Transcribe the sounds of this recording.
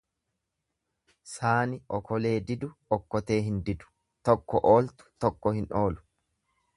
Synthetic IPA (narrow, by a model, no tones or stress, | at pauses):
saːnɪʔɔkʰɔle̞ːd̪ɪd̪ʊɔkːɔt̪e̞ːɦɪnd̪ɪd̪ʊ̥ | t̪ɔkːɔʔo̞ːlt̪ʊ̥t̪ɔkːɔhɪnʔo̞ːlʊ̥